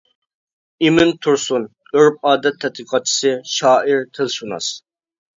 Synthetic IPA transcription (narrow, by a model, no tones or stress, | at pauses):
imɪnt̪ʰuɾsun | øɾp̚ɑːd̪ɛt̪ʰːɛt̪̚iqʰɑt͡ʃʰːi̥sɨʃɑːiɾt̪ʰɪlʃunɑ̰s